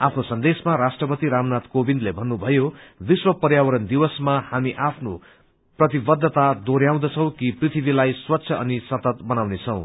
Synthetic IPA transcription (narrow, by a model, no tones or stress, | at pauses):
apʰnosʌnd̪esmaɾasʈrʌpʌt̪iɾamnat̪kobind̪lebʱʌnːubʱʌjobiswʌpʌɾjawʌɾʌnd̪iwʌsmahamiʔapʰno | prʌt̪̬ibʌd̪ʱːʌt̪ad̪oɾjaw̃d̪ʌt͡sʰʌ̃w̃kiprit̪ʰibilajswʌtːsʰjʌʔʌnisʌt̪ʌt̪bʌnawnet͡sʰʌ̃w̃